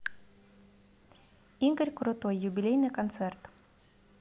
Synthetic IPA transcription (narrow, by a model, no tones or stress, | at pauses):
iŋɡəɾʲkɾʊt̪ɔjːʊbʲilʲejnɨkɐnt̪sɛrt̪